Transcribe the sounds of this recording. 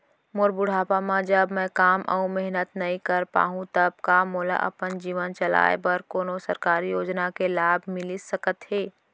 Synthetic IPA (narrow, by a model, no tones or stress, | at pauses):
mʊɾbʊɽ̤aːpamãd͡ʒəbmɛ̃kaːmʔə̰ũmɛɦnət̪nɐɦĩkəɾpa̰ːɦũt̪əb̚kamoːla̰ʔəɐ̰pənd͡ʒiːʋənt͡ʃəla̰ːḛbəɾkoːnosəɾkaːɾijoːd͡ʒnakelaːbʱmɪlisəkət̪ɦeː